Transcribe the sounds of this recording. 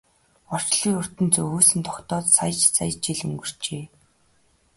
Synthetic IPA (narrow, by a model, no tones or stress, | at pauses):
ɔr̥t͡ɕɮiːʊr̥t̪ə̆nt͡sɵɣuːsɘ̆nt̪ʰɔkt̪ɔːt̪saj̆t͡ɕsʰa̰jt͡ɕiɮɵ̰̆ŋɡɵ̆r̥t͡ɕeː